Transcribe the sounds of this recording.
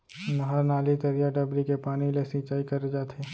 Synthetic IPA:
mɐɦaɾnaːlit̪ɐɾijaɖɐbɾikepaːnilesĩːt͡ʃaːikɐɾed͡ʒaːt̪ʰeː

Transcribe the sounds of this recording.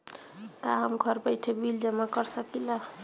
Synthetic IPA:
k̪aɦəmɡʱʌɾbəjʈʰebild͡ʒəmakəɾsəkila

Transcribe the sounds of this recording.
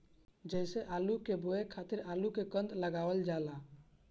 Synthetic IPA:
d͡ʒɛːseʔaːlukeboekʰaːt̪ɪɾaːlukekə̃nd̪ləɡaːʋəld͡ʒaːla

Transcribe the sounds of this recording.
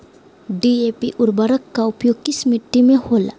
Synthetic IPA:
ɖiepḭʔʊɾbəɾəkːaʊpjoːɡ̚kɪsmɪʈːimẽhoːla̰ː

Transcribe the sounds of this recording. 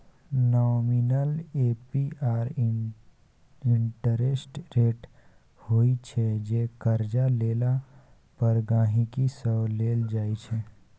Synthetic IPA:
nɔːminəleːpiaːɾ | ɪ̃ɳʈəɾesʈɾeːʈ | hoːit͡ʃʰɛd͡ʒeːkəɾd͡ʒaleːla | pəɾɡãːɦĩkisəbleːld͡ʒaːit͡ʃʰɛː

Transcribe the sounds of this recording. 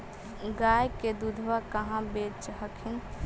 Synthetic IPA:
ɡajked̪ud̪ʱʋakəɦãbet͡ʃɦəkʰin

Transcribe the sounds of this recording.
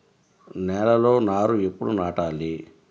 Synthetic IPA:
nɛːlɐlo̞ːnaːɾuepːuɽunaːʈaːli

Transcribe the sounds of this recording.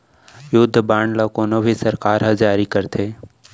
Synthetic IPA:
jʊd̪ʱːbaːɳɖlakoːnobʱisɐɾkaːɾɦɐzaːɾikəɾt̪ʰeː

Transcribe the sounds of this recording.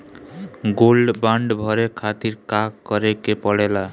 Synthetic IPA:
ɡolbaɳɖbʱʌɾekʰat̪iɾkakkːʌɾekepʌɽela

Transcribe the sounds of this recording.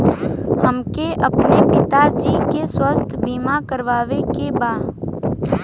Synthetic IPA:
həmkeʔəpnepɪt̪ad͡ʒikeswəst̪ʰbimakəɾʋaːʋekebaː

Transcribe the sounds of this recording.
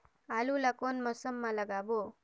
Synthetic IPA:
alulakonmʌsʌmːalʌɡabo

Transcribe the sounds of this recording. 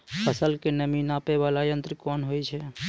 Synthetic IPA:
pʰəsəlkenəminapeʋalajə̃nt̪ɾəkɔnɦojt͡ʃʰɛ

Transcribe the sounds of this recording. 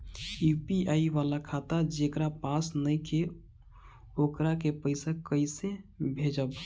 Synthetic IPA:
jupiaiʋalakʰat̪ad͡ʒekɾapasnəjke | okɾakepəɪsakəɪsebʱed͡ʒəb

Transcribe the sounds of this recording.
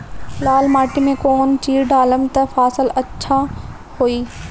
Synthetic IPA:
laːlmaːʈimẽkoːnt͡ɕiːɖʱaːləmt̪ɐfaːsɪlɐtːʃʰa | hoːiː

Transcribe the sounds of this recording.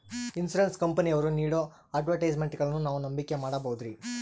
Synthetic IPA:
insuɾenskɐmpɐniɐʋɐɾuniːɽo | aːʈʋɐɾʈɐjd͡ʒmeɳʈːiɡɐɭɐnːunaːʋunɐmbikːe̞maːɽɐbɐɦud̪ɾi

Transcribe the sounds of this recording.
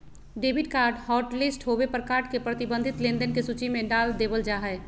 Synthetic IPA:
ɖebʱiɖkaːɾɖhɔːʈlisʈɦobepəɾkaɾɖkepɾət̪ibə̃nd̪ʱit̪lẽnd̪ənkesut͡ʃimẽɖaːld̪ebəld͡ʒaːɦɛ

